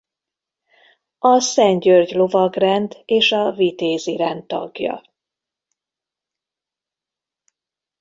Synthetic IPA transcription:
ɒsɛɲɟørɟlo̞vɒɡrɛnd̪eːʃɒvit̪eːziɾɛnt̪ːɒ̰ɡjɒ̰

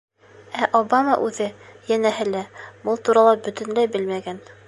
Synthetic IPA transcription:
æʔobamɑ̰ʔʉðɘjænæɦɘlæbɤlˠt̪uɾɑlˠɑbɵ̆t̪ɘ̆nlæjbɘlmæɡæn

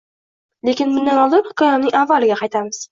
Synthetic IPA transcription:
lekʲɪnmʊnd̪anɒlˠɪpχɪ̥kʰɒjamnɪŋavːalɪɡʲaqʰɑjt̪ʰamɪz̥

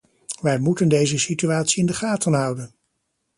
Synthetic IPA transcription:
ʋɛjmutəndejzəsityaːtsiɪndəχaːtənɦʌwdən

